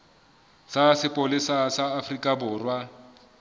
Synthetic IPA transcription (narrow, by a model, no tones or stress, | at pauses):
sasɪpʼʊlɪsasaːfrikʼabʊːrwa